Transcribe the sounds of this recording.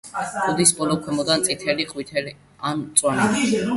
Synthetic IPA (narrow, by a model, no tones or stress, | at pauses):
ɔd̪isbɔlˠɔkʰwɛmɔd̪ant̪sʼit̪ʰɛliqʼwit̪ʰɛli | ant̪sʼwan